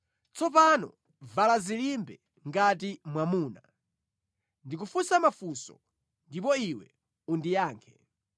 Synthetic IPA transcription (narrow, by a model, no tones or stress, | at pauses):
t͡sɔpanɔ̰ | valazilimbɛ | ŋɡatimwamuːna | ndik̬ufusamafusɔ̰ | ndip̬ɔiwɛ̰ | undijaːŋkʰɛ